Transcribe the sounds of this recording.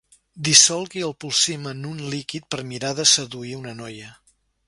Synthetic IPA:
d̪isɔlˠɣiəlˠpulˠsimənunlikit̪̚pəɾmiɾaðəsəðuiunənɔjə

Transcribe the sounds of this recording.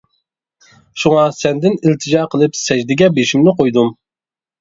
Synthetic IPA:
ʃuŋɑsɛnd̪ɪnɪlt̪ʰɪd͡ʒɑːqʰəlˠɨpsɛʒd̪ɪɡʲɛbeʃimnɪqojd̪um

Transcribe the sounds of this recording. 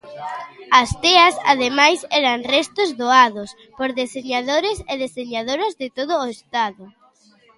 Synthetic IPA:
ɐst̪ɛɐsa̰ð̞emajsɛɾɐŋrɛst̪ʊzðoaðʊs | poɾðeseɲaðoɾɪseðeseɲaðoɾozðɪt̪oð̞ʊːest̪aðʊ

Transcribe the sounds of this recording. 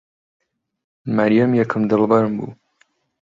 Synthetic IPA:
maɾijamjɐkʰɨmd̪ɨlbɐɾɨmbṵ

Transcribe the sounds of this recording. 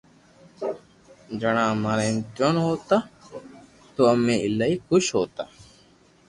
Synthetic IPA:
d͡ʒəɳãːmaːɾeːnt̪joːnɦoːt̪aː | t̪oːəmẽːɪlaːiːkʊʃɦoːt̪aː

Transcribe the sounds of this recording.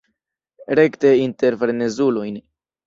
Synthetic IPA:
ɾekt̪eint̪eɾfeɾnezulujn

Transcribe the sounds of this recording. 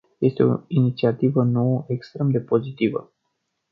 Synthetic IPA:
je̞st̪eo̞̰init̪siat̪ivəno̞wəʔekst̪ɾe̞md̪e̞po̞zit̪ivə̰

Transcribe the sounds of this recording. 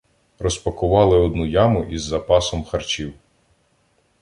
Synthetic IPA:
ɾɔspɐkʊʋɑlˠɪɔd̪nujɑmʊʔizːɐpɑsɔmxɐrt͡ʃiw

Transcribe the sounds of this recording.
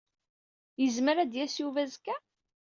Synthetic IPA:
jəzməɾæd̪jæsjuvæzkːæ

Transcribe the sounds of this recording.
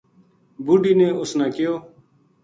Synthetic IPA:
buːɖiːnẽːʊsnãːkɪjoː

